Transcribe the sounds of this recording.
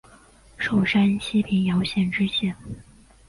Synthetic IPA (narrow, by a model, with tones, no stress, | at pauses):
ʂo˨˩ʊʂa˥nɕi˥pʰi˧˥ŋjɑ˧˥ʊɕjɛ˨˩nʈ͡ʂɻ̩˥ɕjɛ˥˩n